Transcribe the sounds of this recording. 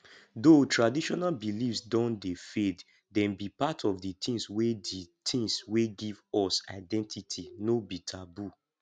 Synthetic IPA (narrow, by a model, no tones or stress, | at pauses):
dotɹadiʃɔnalbilifsdɔ̃ndefet | dɛ̃nbipatʰɔvdit̪ĩŋsweditʰĩŋsweɡivɔsa̰ɪdɛ̃ntʰitʰinobitʰabu